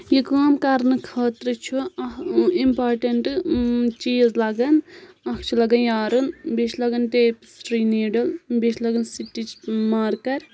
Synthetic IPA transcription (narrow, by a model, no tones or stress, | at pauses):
jikaːmkɐɾnɨkʰaːt̪ɾɨt͡ʃʰuɐimpaːɾʈeɳʈt͡ʃiːzlɐɡɐn | ɐkʰt͡ʃʰulɐɡɐnjaːɾunbit͡ʃʰlɐɡɐnʈeːpsɾiːneːɖɐlbit͡ʃʰlɐɡɐnsiʈːit͡ʃmaːɾkɐɾ